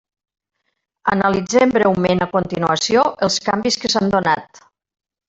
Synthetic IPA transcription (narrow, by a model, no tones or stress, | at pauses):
ənəlid͡zembɾɛwmenəkont̪inuəsioʔəlˠskambiskəsand̪onat̪